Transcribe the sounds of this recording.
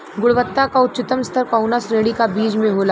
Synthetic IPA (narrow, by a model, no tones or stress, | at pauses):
ɡʊɽʋət̪ːakaʊt̪ːt͡ʃʃɪt̪əmst̪ʰəɾkaʊnasɾeːɽikabiːd͡ʒmẽɦoːla